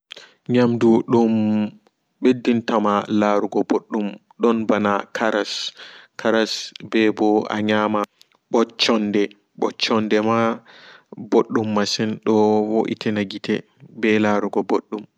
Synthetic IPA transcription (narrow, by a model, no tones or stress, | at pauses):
ɲamduɗum | ɓedːintamalaɾuɡɔboɗːum | ɗɔnbanakʰaɾaskʰaɾasbɛbɔa̰ɲama | ɓɔt͡ʃːɔndɛ | ɓɔt͡ʃːɔndɛma | boɗːumːasɛnɗɔwoʔḭtʰɛnaɡitɛ | bɛlaɾuɡɔboɗːum